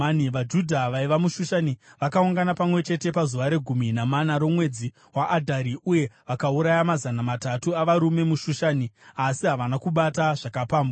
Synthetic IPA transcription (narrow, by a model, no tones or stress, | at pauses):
niʋad͡ʒudʱaʋaiʋamuʃuʃaniʋakauŋɡanapamwe̞t͡ʃe̞te̞pazuʋaɾe̞ɡʱuminamanaɾo̞mwe̞d͡zi | waʔːdʱaɾiuje̞ʋakauɾajamazanamatatuaʋaɾume̞muʃuʃaniasiɦaʋanakuɓataʐ̥akapaːmbo